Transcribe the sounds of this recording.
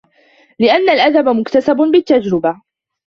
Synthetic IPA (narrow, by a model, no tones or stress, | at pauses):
lɪʔanːalʔad̪abamʊkt̪asabʊbɪt̪ːad͡ʒɾɪba